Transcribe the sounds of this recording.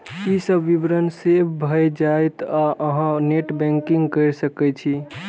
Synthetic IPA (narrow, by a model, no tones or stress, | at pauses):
isəbːibɾənsebbʱəjd͡ʒajt̪aʔəɦãneʈbɛ̃ŋkiŋɡkəjɾsəkɛt͡ʃʰi